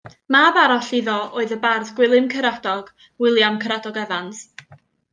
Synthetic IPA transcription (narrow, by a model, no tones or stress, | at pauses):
mabaɾɔɬiðɔoːɨðəbarðɡwɪlˠɨmkʰəɾadɔɡ̥ | wɪlˠjamkʰəɾadɔɡɛvans